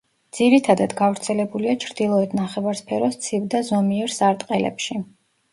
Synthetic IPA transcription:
d̪z̥iɾit̪ʰad̪ad̪ɡavɾt̪sʰɛlɛbuliat͡ʃʰɾd̪ilˠɔɛt̪ʰnaχɛvaɾspʰɛɾɔst̪sʰivd̪azɔmiɛɾsaɾt̪ʼqʼɛlɛ̰pʃi

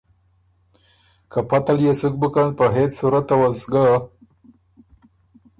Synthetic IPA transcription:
kapat̪aljesuk̚bəkanpəɦet͡ssuɾat̪ːawazɡa

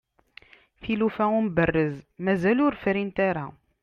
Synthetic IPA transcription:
θilufæumbərːəzmæzælʊɾfɾint̪aɾa

